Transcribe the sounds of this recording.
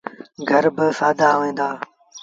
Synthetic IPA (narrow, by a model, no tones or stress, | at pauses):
ɡʱəɾbɪsaːd̪aːʋẽːnd̪aː